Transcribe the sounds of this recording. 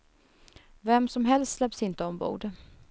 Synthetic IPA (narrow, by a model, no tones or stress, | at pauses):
vɛmsɔmɦɛlst̪slɛpsɪnt̪əɔmbṵːd̪